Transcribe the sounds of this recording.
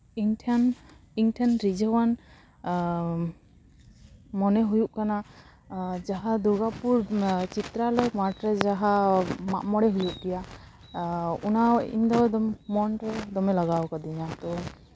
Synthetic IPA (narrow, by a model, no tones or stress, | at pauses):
iŋtʰaniŋtʰanɾid͡ʒɔwan | mɔnɛɦujuʔ̚kana | d͡ʒaɦad̪uɡapuɹt͡ʃit̪ɾalɔjmaʈɾɛd͡ʒaɦamaʔmɔɽɛɦujuʔɡɛja | unaḭmd̪ɔd̪ɔmːɔnɾɛd̪ɔmɛlaɡawkad̪iɲat̪ɔ